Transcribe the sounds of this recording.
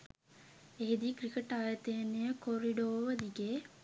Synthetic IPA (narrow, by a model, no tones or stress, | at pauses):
eɦed̪ikɾikəʈaːjət̪əjenːejəkoɾiɖoːʋəd̪iɡeː